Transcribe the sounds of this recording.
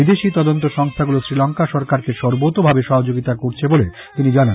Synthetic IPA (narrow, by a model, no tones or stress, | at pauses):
id̪eʃit̪ɔd̪ont̪oʃɔŋst̪ʰaɡulosɾilɔŋkaʃɔɾkaɾkeʃɔɾbot̪obʱabeʃɔɦod͡ʑoɡit̪akoɾt͡ɕʰebole | t̪inid͡ʑana